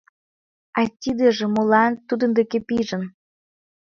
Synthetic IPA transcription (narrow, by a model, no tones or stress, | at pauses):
ɑt̪ʲid̪ĕʒĕmolɑnt̪ud̪ə̆nd̪ekepiʒə̆n